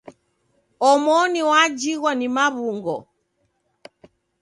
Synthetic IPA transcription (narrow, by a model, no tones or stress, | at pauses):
ɔmɔniwad͡ʒiɣwanimaβuŋɡɔ̰